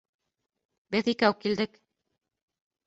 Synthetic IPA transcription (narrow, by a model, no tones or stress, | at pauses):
bɘðikæwkːild̪ɘk